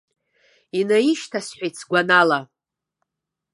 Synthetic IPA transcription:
inajiʃtʰasħʷᶣajtʰsɡʷanala

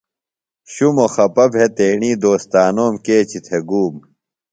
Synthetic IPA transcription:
ɕumoxɐpɐbʱɦet̪eːɳiːd̪oːst̪aːnoːmkeːt͡ɕit̪ʰeɡuːm

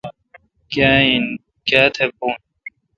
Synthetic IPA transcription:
kjain | kaːt̪ʰep̚uːn

